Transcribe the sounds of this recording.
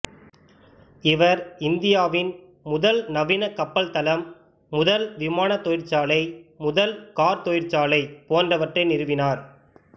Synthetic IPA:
ɪʋɐɾɪnd̪ɪjaːʋɪn | mʊðɐlnɐʋɪnɐkːɐpːɐlt̪ɐlɐmː | ʊðɐlʋɪmaːnɐt̪ːɔjɪɾt͡ʃaːlɐɪmʊðɐlkaːɾt̪ɔjɪɾt͡ʃaːlɐɪpoːndrɐʋɐʈrɐɪnɪɾɯʋɪnaːɾ

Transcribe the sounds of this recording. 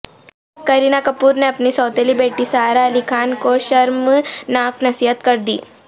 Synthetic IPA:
kəɾinakəpuːɾneɐpnisɔːt̪elibeːʈisaɾalikʰaːnkoɕɐɾmnaːknɐsiɦət̪kəɾd̪ḭː

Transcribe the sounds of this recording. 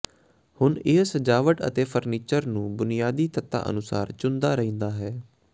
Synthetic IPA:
hʊnɪsəd͡ʒaːʋəʈə̰t̪eːpʰəɾniːt͡ʃəɾnũːbʊnɪjaːd̪iːt̪ət̪ːa̰ːʔə̰nʊsa̰ːɾt͡ʃʊnd̪aːɾəɦĩːnd̪aːɦɛː

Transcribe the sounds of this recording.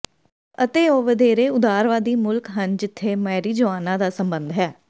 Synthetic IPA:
ət̪eːoːʋəd̪eːɾeːʊd̪aːɾʋaːd̪iːmʊlkɦənd͡ʒɪt̪ʰːeːmɛːɾiːd͡ʒəʋaːnãːd̪aːsəmbənd̪ɦɛː

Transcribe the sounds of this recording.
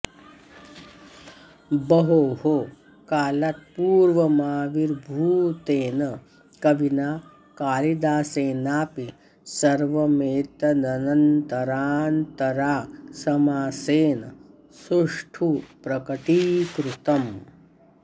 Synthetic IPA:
bɐɦoːɦoː | kaːlɐt̪̚puːɾʋɐmaːʋiɾbʱuːt̪eːnɐ | kɐʋinaː | kaːlid̪aːseːnaːpi | sɐɾʋɐmeːt̪ɐnɐnɐnt̪ɐɾaːnt̪ɐɾaːsɐmaːseːnɐ | suʂʈʰupɾɐkɐʈiːkɾut̪ɐm

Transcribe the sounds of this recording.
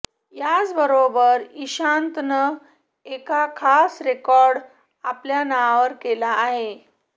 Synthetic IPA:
jat͡sbəɾobəɾiɕãnt̪nə | ekakʰasɾekɔɾɖ | apljanaaʋəɾkelaːɦe

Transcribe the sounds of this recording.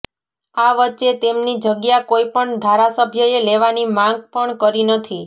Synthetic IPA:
aʋətːʃet̪emnid͡ʒəɡjakoipəɳd̪ʱaɾasəbʱjəeleʋanimãŋɡ̚pəɳkəɾinət̪ʰi

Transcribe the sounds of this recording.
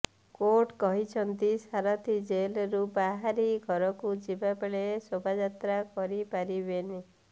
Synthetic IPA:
koʈkɔɦit͡ʃʰɔnt̪isaɾɔt̪ʰid͡ʒelɔɾubaɦaɾiɡʱɔɾɔkud͡ʒibapeɭesobʱad͡ʒat̪ɾakɔɾipaɾibeni

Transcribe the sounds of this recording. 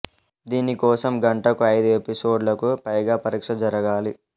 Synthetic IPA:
d̪iːnikɔːsɐmɡɐɳʈɐkuɐjd̪ue̞pisoːɖlɐkupɐjɡaːpɐɾiːkʂɐd͡ʒɐɾɐɡaːli

